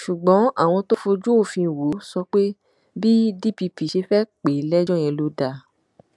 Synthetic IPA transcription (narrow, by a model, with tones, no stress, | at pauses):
ʃu˨ɡ͡bɔ̃˨˦a̰˦˨w̃ɔ̃˧to˦fo˧d͡ʒu˦o˦˨fĩ˧˨wo˨˦sɔ˧˦k͡pe˦ | bi˦di˦˨pi˧pi˨ʃe˧fɛ˦k͡pe˨˦lɛ˦d͡ʒɔ̃˦˨j̃ɛ̃˧lo˧˦da˧˨